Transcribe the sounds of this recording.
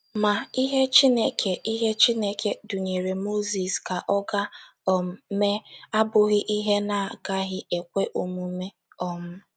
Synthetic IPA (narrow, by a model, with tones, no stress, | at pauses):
ma˨i˦ɦe˦t͡ʃi˦ne˦kʰe˨ʔi˦ɦe˦t͡ʃi˦ne˦ke˦du˨ɲe˨ɾe˨mo˦zi˨ska˨ʔɔ˦ɡa˦ | ɔ˨m˦me˦a˦bʊ˨ɣɪ˦ʔi˦ɦe˦na˨ɡa˦ɣɪ˦e˨kʷe˦ʔo˨mu˨˦me˦ | ɔ˦m̩˦